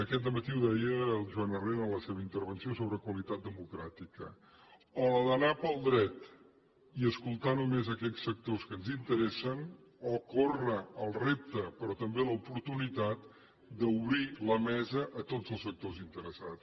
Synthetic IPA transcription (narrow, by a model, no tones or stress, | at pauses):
əkɛt̪̚d̪əmət̪iuðɛjəlˠʒuanərenələseβəint̪əɾβənsiosoβɾəkwəlit̪at̪̚d̪əmukɾat̪ikə̰ | ɔləðənapəlˠd̪ɾɛt̪ | iəskulˠt̪anumezəkɛʎsfək̚t̪oskənzint̪əɾɛsən | ɔkorəəlˠrep̚t̪əpɾɔt̪əmbeləupuɾt̪unit̪at̪̚ | d̪əuβɾiləmɛzəʔət̪odzəlˠsfək̚t̪ozint̪əɾəsa̰t͡s